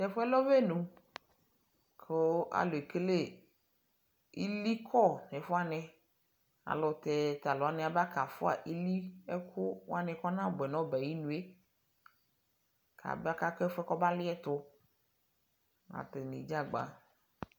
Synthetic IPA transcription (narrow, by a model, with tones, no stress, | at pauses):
tɛ˨fɔ˦ɛ˦lɔ˦ve˦nũ˨ | kʰo˦a̰˨lo˨e˨ke˦le˦˨ | i˦li˦kʰɔ˦nɛ˨fɔ˦a˨nɛ̃˨ | a̰˨lɔ˨t̪ɛ˨t̪a˨lɔ˨a˨˦nɛ̃˨a˨ba˦ka˨fʊ˦a̰˨ʔi˦li˦ɛ˦kʰʊ˦wa˦nɛ̃˨kɔ˦nã˦˨bɛ˨nɔ̃˦bɛ˨ji˦nũ˨˦e˦ | kʰa̰˨bɛ˦a˦ka˦kɔ˦ɛ˦fɛ˦kɔ˦ba˦lɪ˦ɛ˦t̪ʊ˨ | a̰˨t̪e˨nḭ˨d͡ʒa˦ɡ͡ba̰˨